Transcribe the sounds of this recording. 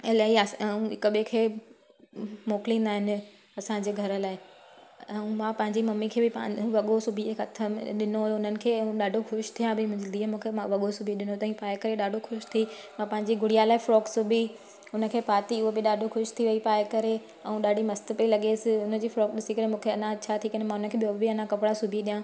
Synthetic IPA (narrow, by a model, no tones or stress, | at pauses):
ɪlaiɐũɦɪkəɓekʰeː | moːkɪlĩːnd̪aːɦɪnɪ̆ | ɐsãɲd͡ʑeːɡʱɐɾə̆laːɪ | ɐũmãːpɐ̃ɦɪ̃ɲd͡ʑimɐmːikʰeːbɪpa̰ʋɐɠosʊbʱiekɐt̪ʰəmɗɪnojʊn̤ənɪ̆kʰeːɐɦũɗaːɖʱoxʊʃt̪ʰijãbʱɪmʊ̃ɦɪ̃ɲd͡ʑid̪iːmũːkʰeãʋɐɠosʊbʱiɗɪnot̪ɐɦĩpaːekɐɾeɗaːɖʱoxʊʃt̪ʰimãpɐ̃ɦɪ̃ɲd͡ʑiɡʱʊɽ̤ijalaːɪfɾɔːksʊbʱi | ʊnə̆kʰeːpaːt̪iʊɦobɪɗaːɖʱoxʊʃt̪ʰiʋɐipaːɪkɐɾe | ɛ̃ũɗaːɖʱimɐst̪əpɐilɐɠeːsɪʊnə̆d͡ʑiːfɾɔːkɗɪsikɐɾemũːkʰeɐnãt͡ɕʰat̪ʰiːkɐnemãʊnəkʰeːbiobbɪɐnãkɐpɪɽasʊbʱiɗijã